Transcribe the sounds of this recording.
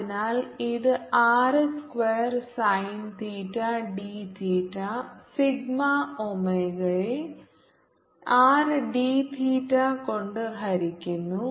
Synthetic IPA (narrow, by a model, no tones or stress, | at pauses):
inaːliðɨaːrɨskʋeːɐrsɐjnt̪ʰiːʈːaɖiːt̪ʰiːtːasiɡmaomeɣɐɭe | aːrɨɖiːt̪ʰiːtːako̞ɳɖɨɦɐɾikʲːunːu